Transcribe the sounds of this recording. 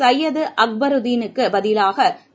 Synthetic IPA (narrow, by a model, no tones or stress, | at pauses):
ɐjɐðɯʔɐk̚bɐɾɯd̪iːnɯkːɯbɐðɪlaːɣɐ